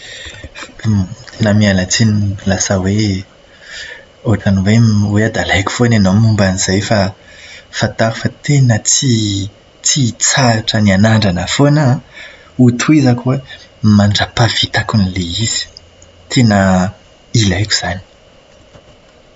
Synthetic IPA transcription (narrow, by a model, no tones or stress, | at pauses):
t̪ʰenəmialat͡sinilasəwe | oaʈ͡ʂaniwewead̪alajkʲu̥fonanomumbaniz̥ajfa | fat̪aɾufat̪enət͡si | t͡sit͡saʈ͡ʂənianaɳɖ͡ʐanəfona | ut̪ʰuizakuwemaɳɖ͡ʐapavit̪akunileiz̥i̥ | t̪ʰenə | ilajku̥z̥ani̥